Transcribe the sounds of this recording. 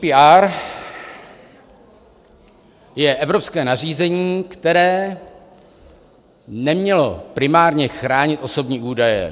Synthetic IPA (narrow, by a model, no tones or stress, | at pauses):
piaːɾ | jɛʔɛvɾopskɛːnar̝iːzɛɲiːkt̪ɛɾɛː | nɛmɲɛlo̞pɾɪmaːɾɲɛxɾaːɲɪt̪ʔo̞so̞bɲiːʔuːdajɛ̰